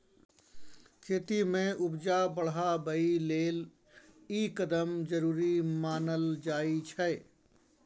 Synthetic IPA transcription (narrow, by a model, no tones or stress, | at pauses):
kʰeːt̪imẽʔʊbd͡ʒabəɽɦabəileːl | ikəd̪əmd͡ʒəɾuːɾimaːnəld͡ʒaːit͡ʃʰɛ